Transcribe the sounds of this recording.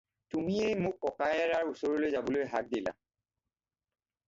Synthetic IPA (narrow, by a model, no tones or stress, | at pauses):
tumiejmʊkːɔkajɛɹaɹusɔɹɔlojzabɔlojɦa̰k̚dila̰